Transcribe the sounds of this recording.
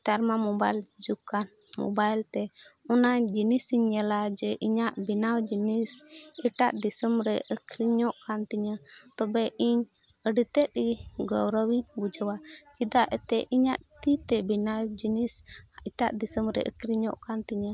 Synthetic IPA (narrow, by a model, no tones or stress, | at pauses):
t̪aɾmamɔbajld͡ʒukan | mɔ̰bajlt̪ɛɔnad͡ʒinisiɲːɛlad͡ʒɛʔiɲaʔbinawd͡ʒinisiʈaʔd̪isəmɾɛʔəkʰɾiɲɔʔkant̪iɲat̪ɔbɛʔiɲ | əɖit̪ɛt̪̚iɡɔwɾəwiɲbud͡ʒəwad͡ʒid̪aʔɛt̪ɛʔiɲaʔt̪it̪ɛbinawd͡ʒinisiʈaʔd̪isəmɾɛ̰ʔə̰kɾiɲɔ̰ʔkant̪iɲa